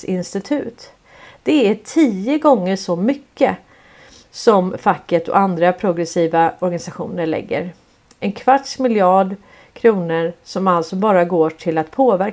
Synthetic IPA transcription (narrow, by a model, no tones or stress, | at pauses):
ɪnst̪ɪt̪ʰʉ̟ːt̪ | d̪̥ɛæʈʰiːəɡɔŋːəʂɔmʏkːə | sɔmfakːət̪ɔ̰ʔand̪ɾapʰɾʊɡɾɛsiːvaɔɾɡanɪsaɧṵːnəɭɛ̰ɡːə̰ɾ | ʔɛnkʰvaʈʂmɪljɑːɖ | kʰɾuːnəɾsɔmalt̪sɔbɑːɾaɡoːʈʰɪlat̪pʰoːvæɾ